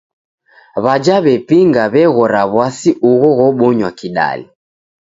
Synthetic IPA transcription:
βad͡ʒaβɛpiŋɡaβɛɣɔɾaβwasiʔuɣɔɣɔɓɔɲwakiɗa̰lḭ

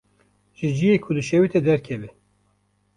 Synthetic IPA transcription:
ʒɨd͡ʒijeːkʰʊd̪ɨʃɛwit̪ɛd̪ɛɾkʰɛvɛ

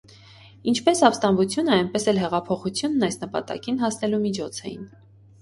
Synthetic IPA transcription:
int͡ʃʰpɛsɑpst̪ɑnvut͡sʰjunəɑjnpɛsɛlɦɛʁɑpʰɔχut͡sʰjunːɑjsnəpɑ̰t̪ɑ̰kinɦɑsnɛlumit͡ʃʰɔt͡sʰɛ̰jḭn

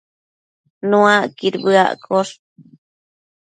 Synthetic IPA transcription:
nũãkiɾbɨa̰ʔkʰoʂ

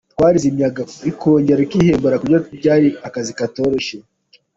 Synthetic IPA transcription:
tkwaːɾizimjaɡaikʰoːɲɟeɾokiheːmboɾakuɟiatubɟaːɾiakazikato̞ɾoʃe

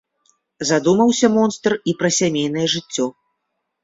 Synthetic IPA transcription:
zad̪umɐwsʲɐmɔnst̪ripɾɐsʲamʲejn̪ɐjɛʐɨt͡sʲːɔ

